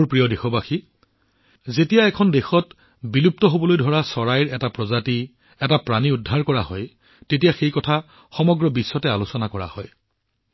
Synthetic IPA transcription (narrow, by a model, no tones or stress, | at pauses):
ɹpɹijɔdexɔbaxi | zetijaɛkʰɔndexɔt | bilup̚tɔɦobɔlojdʱɔɹasɔɹajɹɛtapɹɔzati | ɛtapɹaniudʱːaɹkɔɹaɦɔj | tetijaxejkɔtʰa | xɔmɔɡɹɔbisːɔtɛalusɔnakɔɹa̰hɔ̰j